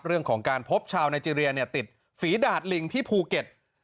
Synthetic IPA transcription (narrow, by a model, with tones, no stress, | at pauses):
p̚ɾɯ˥˩əŋkʰɔː˩˦ŋkaː˧npʰo˦˥p̚t͡ɕʰaː˧wnaː˧jt͡ɕiː˧ɾi˧ɐni˥˩ɐt̪i˨˩t̪̚ | fiː˩˦daː˨˩t̪̚li˧ŋt̪ʰiː˥˩pʰuː˧ke˨˩t̪̚